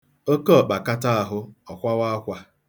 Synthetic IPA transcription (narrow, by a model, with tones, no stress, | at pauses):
o˦ke˦ɔ˨k͡pa˨ka˦ta˦a˨ɦʊ˦ɔ˨kʷa˦wa˦kʷa˦